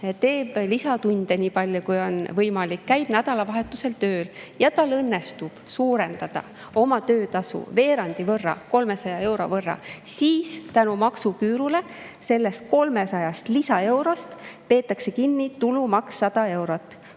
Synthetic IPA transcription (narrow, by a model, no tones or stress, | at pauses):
t̪e̞ːb̥lisɑt̪unʲd̪̥e̞niːpɑlʲjokujo̞nvɤjmɑlikːæjb̥næd̪̥ɑlɑvɑɦe̞t̪ːˑuse̞lt̪ø̞ːljɑt̪ɑlːɤnːe̞st̪ub̥suːɾe̞nd̪̥ɑd̪̥ɑ̰ | o̞mɑt̪øːt̪ɑsṵve̞ːɾɑnd̪̥ivɤrːɑ̰ko̞lme̞sɑjɑe̞wɾo̞̰vɤrːɑ̰siːst̪ænumɑksukyːɾule̞ | se̞lːe̞st̪̚ko̞lme̞sɑjɑst̪lisɑe̞wɾost̪pe̞ːt̪ːˑɑkse̞kinːit̪ulumɑksːɑd̪̥ɑe̞wɾot̪ːˑ